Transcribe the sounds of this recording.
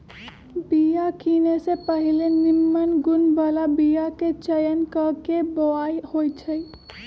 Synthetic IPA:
bijakinesepəɦilenimːənɡunbalabijaket͡ʃəjənkəkeboajhojt͡ʃʰəj

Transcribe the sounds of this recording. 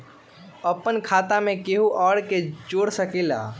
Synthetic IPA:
əpənkʰaːt̪amẽkeɦuʔɔːɽket͡ʃoːɽsəkela̰

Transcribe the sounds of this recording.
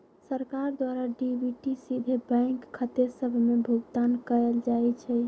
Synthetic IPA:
səɾkaɾd̪waɾaɖibʱiʈisid̪ʱebə̃ɪkʰːət̪esəbʱmebʱuɡt̪ankəɛld͡ʒaɛt͡ʃʰɛ

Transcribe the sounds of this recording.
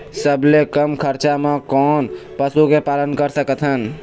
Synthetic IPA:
səblekəmkʰəɾt͡ʃamekɔːnpəsukepalənkəɾsəkət̪ʰɦən

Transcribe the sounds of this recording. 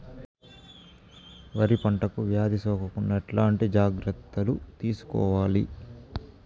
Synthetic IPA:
ʋɐɾipɐɳʈɐkuʋjaːd̪isɔːkɐkunːɐɛʈlaːɳʈid͡ʒaːɡɾɐt̪ːɐlut̪iːsu̥kɔ̰ːʋaːli

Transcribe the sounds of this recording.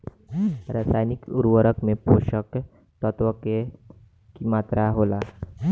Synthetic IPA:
ɾaːsaːjnɪkʊɾwəɾəkmẽpoːʃək | t̪ɔt̪wəke | kimaːt̪ɾʔaɦoːlaː

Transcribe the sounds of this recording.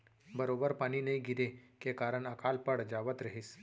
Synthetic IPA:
bəɾobəɾpaɽ̃iːnəiɡʱid̪ekekaɾəɳəkalpəɽd͡ʑaʋət̪ɾəɦiːs

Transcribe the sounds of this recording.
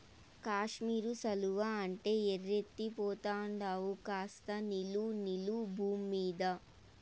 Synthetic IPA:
kaːʂmiːɾusɐluʋaɐɳʈe̞ːerːet̪ːipɔːt̪aːɳɖaːwukaːst̪ɐnilunilubʱuːmːiːd̪ɐ

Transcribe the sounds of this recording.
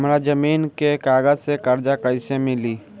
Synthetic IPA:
mɾad͡ʒəmiːnkekaːɡəd͡ʒsekəɾd͡ʒakəɪsemɪliː

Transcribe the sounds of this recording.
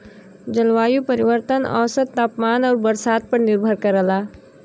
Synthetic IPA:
d͡ʒəlʋaːjupəɾiʋəɾt̪ənɔ̰ːsət̪t̪ːaːpmaːnɔːɾbəɾsaːd̪̚pəɾnɪɾbʱəɾkəɾəlaː

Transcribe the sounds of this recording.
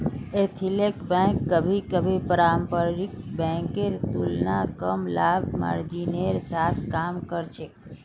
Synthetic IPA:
et̪ʰilekbɛ̃kːəbʱikəbʱipəɾampəɾɾikbɛ̃ŋkeɾt̪ulnakəmlabma̰ɾd͡ʒineɾsat̪ʰkamkəɾt͡ʃʰek

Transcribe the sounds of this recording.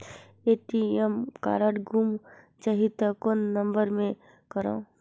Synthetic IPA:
eːʈiɛmka̰ːɾəʈɡʱuːm | t͡ʃɐɦit̪akonːə̃mbəɾmẽ | kəɾã̰

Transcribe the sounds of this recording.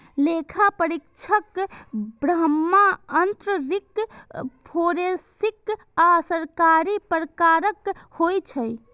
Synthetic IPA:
lekʰapəɾikt͡ʃʰəkbɾəmːaənt̪ɾəɾik | pʰoɾesik | asəɾkaɾipɾəkaɾəkhojt͡ʃʰəj

